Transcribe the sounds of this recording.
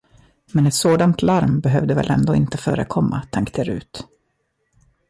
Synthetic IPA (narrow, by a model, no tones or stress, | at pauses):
mɛnɛt̪soːd̪ant̪ʰlaɾmbɛɦœvd̪əvɛ̰lʔɛ̰nd̪oːɪnt̪əfœːɾəkʰɔmːa̰t̪ʰaŋkt̪ʰɪɾʉ̟ːt̪